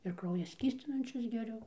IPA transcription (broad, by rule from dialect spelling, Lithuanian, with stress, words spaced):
ɪr ˈkrɐʊjɛ ˈsʲkʲiːsʲtʲɪnɐnʲt͡ʃʲʊs ɡʲɛˈrʲʊ